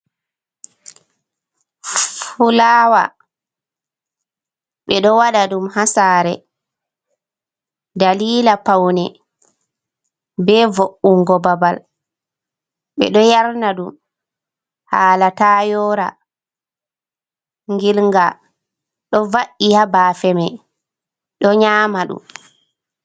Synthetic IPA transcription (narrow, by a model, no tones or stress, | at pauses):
fulaːwa̰ | ɓɛɗɔwaɗaɗumhasaːɾɛ̰ | daliːlapawnɛ | bɛvoʔːuŋɡɔbabal | ɓɛ̰ɗɔjaɾnaɗum | haːlatajɔɾa̰ | ŋɡilŋɡa | ɗɔvaʔihabaːfɛmɛ | ɗɔɲaːmaɗṵm